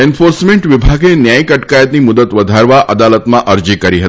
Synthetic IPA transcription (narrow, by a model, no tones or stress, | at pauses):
ɛnfoɾsmẽɳʈʋɪbʱaɡenjajkəʈkajət̪nimʊd̪ət̪ʋəd̪ʱaɾʋaʔʔəd̪alət̪mãʔəɾd͡ʒikəɾiɦət̪